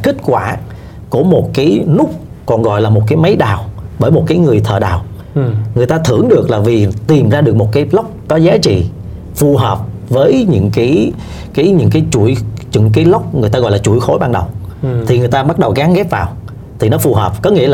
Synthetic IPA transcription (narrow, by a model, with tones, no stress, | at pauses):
xï˦˥k̟̚kwaː˧˩ | ku˧˩əmo˨˩t̚kaː˨˦jnʊ˦˥k͡p̚ | kɔ˨˩nɣɔ̰˧˨jlaː˨˩mo˨˩t̚kaː˨˦jma˨˦jɗaː˨˩wɓəː˧˩jmo˨˩t̚kaː˨˦jŋɨ˨˩əjt̪ʰəː˨˩ɗa̰ː˨˩w | ŋɨ˨˩əjt̪aː˧t̪ʰɨ˧˩əŋɗɨ˨˩ək̚laː˨˩vi˨˩t̪i˨˩mzaː˧ɗɨ˨˩ək̚mo˨˩t̚kaː˨˦jlə˦˥wk͡p̚kɔ˨˦zaː˨˦t͡ɕḭ˧˨ | fu˨˩ɦəː˨˩p̚vəː˨˦jɲɨ̰˧˥ŋkaː˨˦j | kaː˨˦jɲɨ̰˧˥ŋkaː˨˦jt͡ɕu˧˩jɲɨ̰˧˥ŋk̬aː˨˦jlə˦˥wk͡p̚ŋ˨˩ət̪a˧ɣɔ̰˧˨jlaː˨˩t͡ɕu˧˩˨jxo˨˦jɓaː˧nɗə˨˩wt̪ʰi˨˩ŋɨ˨˩əjt̪aː˧ɓa˦˥t̚ɗə˨˩wɣaː˨˦ŋɣɛ˦˥p̚vaː˨˩w | t̪ʰi˨˩nɔ˨˦fu˨˩ɦəː˨˩p̚kɔ˨˦ŋi˧˥əl